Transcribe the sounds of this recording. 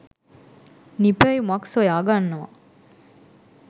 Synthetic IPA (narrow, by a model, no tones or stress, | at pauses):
nipejumɐksɐjaɡanːɐʋa̰